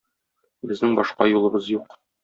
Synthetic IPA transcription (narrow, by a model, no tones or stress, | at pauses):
bɘ̆znɘŋbɒʃqɑjulˠɤ̆bɤzjuq